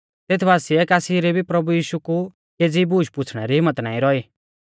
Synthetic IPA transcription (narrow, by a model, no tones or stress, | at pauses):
t̪eːt̪ʰbaːsiɛkaːsiɾebʱipɾɐbujiːʃuku | keːd͡zibuːʃpʊt͡sʰɽ̃ɛɾiɦɪmːət̪nã̰ːĩɾɔiː